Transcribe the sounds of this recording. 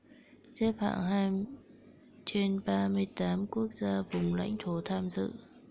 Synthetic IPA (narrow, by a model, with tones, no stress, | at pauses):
ze˦˥p̚ha̰ː˧˨ŋɦaː˧m | t͡ɕe˧nɓaː˧mɨ˧əjt̪aː˨˦mku˦˥ək̚zaː˧vʊ˨˩ŋ͡mla̰˧˥jŋ̟t̪ʰo˨˦t̪ʰaː˧mzɨ̰˧˨